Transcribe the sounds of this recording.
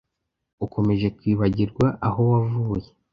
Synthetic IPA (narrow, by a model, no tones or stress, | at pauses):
uko̞me̞ʒe̞kwiːβaɟiɾɡwaʔaɦo̞wavuːje̞